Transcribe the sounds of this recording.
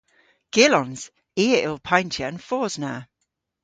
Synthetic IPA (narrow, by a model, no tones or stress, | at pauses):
ɡ̥ɪlɔ̃nz̥ | iːəɪlˠpʰãɪ̃ntʰjəə̃nfɔːz̥na